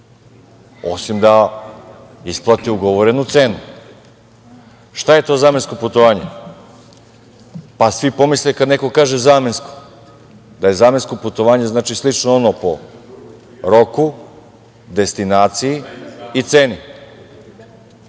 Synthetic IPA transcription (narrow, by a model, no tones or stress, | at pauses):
o̰simd̪a | isplˠat̪iuɡoʋoɾe̞nut̪se̞ːnu | ʃt̪aje̞t̪o̞zaːmensko̞put̪oʋaːɲe̞ | pasʋipo̞mislikad̪neko̞kaːʒezaːmensko̥ | d̪aje̞zaːmensko̞put̪o̞ʋaːɲe̞znaːt͡ʃislˠit͡ʃnoonopo̰ | ɾo̞ku | d̪e̞st̪inaːt̪sijiːt̪seːni